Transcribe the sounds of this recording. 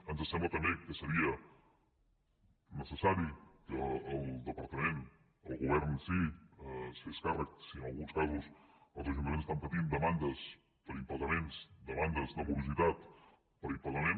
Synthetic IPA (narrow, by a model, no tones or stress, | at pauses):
ənzəsɛmblət̪əmbekəsəɾiə | nəsəsaɾikəːlˠd̪əpəɾt̪əmen | əlˠɣuβ̞ɛɾnsi | seskarək̚siənəlˠɣunskazusəlˠzəʒunt̪əmenst̪ampət̪ind̪əmand̪əs | pəɾimpəɾləmensd̪əmand̪əzd̪əβuβusit̪at̪ | pəɾimpəɾt̪əmẽn